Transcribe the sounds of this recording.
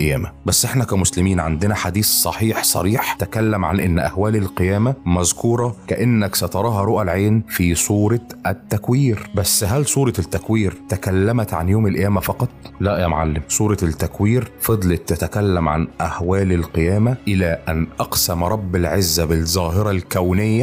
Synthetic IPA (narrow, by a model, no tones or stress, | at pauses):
ʔæjæːmæbæsːʔeħnækæmʊslɪmiːnʕa̰nd̪ɪnæħad̪iːssˤɑ̰ħiːħsˤɑ̰ɾiːħt̪ækælːæmʕanʔɪnːʔæ̰hwæːlɪlqejæːmæmæzkuːɾˤɑkæʔɪnːæksæt̪ɑɾˤɑːɦɑɾˤoʔælʕeːnfiːsˤuːɾˤɑʔæt̪ːækwiːɾbæsːɦælsˤuːɾˤɑt̪ːækwiːɾt̪ækælːæmæt̪ʕa̰njoːmɪlʔæjæːmæfɑqɑt̪ˤlæʔjæmo̰ʕalːɪmsˤuːɾˤɑt̪ːækwiːɾfɑd̪ˤlet̪ːæt̪ækælːæmʕa̰nʔæhwæːlɪlqejæːmæʔɪlæːʔænʔɑqsæmɾˤɑbːɪlʕezːæbɪzˤɑːɦɪɾˤɑlkæwnɪjːæ